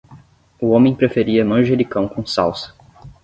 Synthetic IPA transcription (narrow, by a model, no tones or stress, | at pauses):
ʊõmẽj̃pɾefeɾiɐmɐ̃ʒelɪkɐ̃w̃kõsawsɐ̥